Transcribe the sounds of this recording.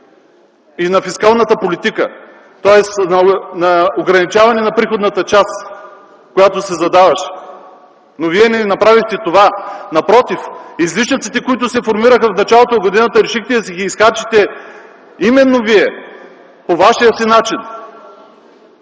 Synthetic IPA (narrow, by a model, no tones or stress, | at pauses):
inɐfiskalˠnət̪əpolit̪ikə̰ | t̪ɔɛsnɐnɐoɡɾɐnit͡ʃavɐnɛnɐpɾixod̪nɐt̪ət͡ʃas | kojat̪osɛzɐd̪avɐʃ | noviɛnɛnɐpɾavixt̪ɛt̪ovanɐpɾɔt̪ifizliʃnit̪sit̪ɛkoit̪ʊsɛfoɾmiɾəxɐfnɐt͡ʃalˠot̪oɡod̪inət̪əɾɛʃixt̪ɛsiɡiːsxat͡ʃit̪ɛ | imɛnːoviɛ | povaʃijəsinat͡ʃin